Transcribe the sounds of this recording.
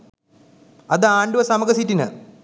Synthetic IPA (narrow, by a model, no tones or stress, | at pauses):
ɐðɨaːɳɖuʋɐsɐmɐɡɐsitːinɨ̰